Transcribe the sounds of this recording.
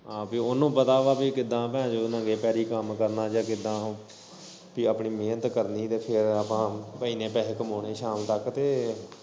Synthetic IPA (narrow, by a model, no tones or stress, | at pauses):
aːpiːʊnũːpət̪aːʋaːpiːkɪd̪ãːpɛ̃ːd͡ʒoːnãːɡeːpɛːɾiːkəmkəɾnãːd͡ʒãːkɪd̪ãː | piːəpɳiːmeːnət̪kəɾniːt̪eːpʰɪɾəpãːpəiːnẽːpɛːɦeːkəmoːɳeːʃaːmt̪əkt̪eː